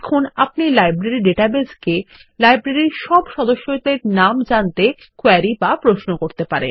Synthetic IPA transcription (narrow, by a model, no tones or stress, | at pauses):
kʰonap̚nilajbɾaɾiɖeʈabeske | lajbɾaɾiɾʃɔbʃɔd̪oʃːod̪eɾnamd͡ʑant̪e | koaɾibapɾoʃnokoɾt̪epaɾḛ